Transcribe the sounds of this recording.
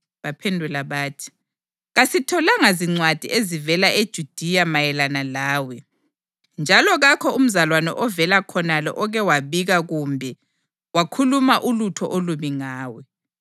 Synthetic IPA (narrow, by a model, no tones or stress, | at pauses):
βapʰendʱulaβaːtʰi̥ | ɣasitʰɔlaŋaziŋ͡ǀwad̥ʱiʔezivɛlaʔed̥ʒ̥ʱud̥ʱijamajɛlanalaːwɛ | nd͡ʒʱalɔɣakʰɔum̩zalwanɛ̰ʔɔvɛlakʰɔnalɔ̰ʔɔɣɛwaβiɣaɣumbʱɛ | wakʰulumaʔulutʰɔ̰ʔoluβiŋaːwɛ